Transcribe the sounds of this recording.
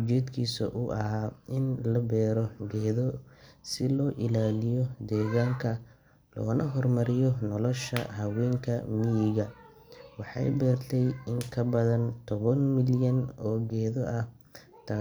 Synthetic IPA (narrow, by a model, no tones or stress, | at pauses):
d͡ʒɛːd̪kʰiːsɐ̰ʔʊʔɐ̰ɦaːɪnlɐbɛːɾɔɡɛːðɔsɪlɔːʔɪlaːlɪjɔd̪ɛːɣaːŋkʰɐ | lɔ̰ːnɐɦɔrmɐɾɪjɔnɔlɔʃɐ̰hɐwɛːŋkʰɐmɪjɪɣɐ | wɑħɑ̰jbɛːrt̪ʰɛjɪŋkʰɐbɐðɐnt̪ʰɔβɐnmɪljɐnɔːɡɛːðɔʔɐh | t̪ʰaː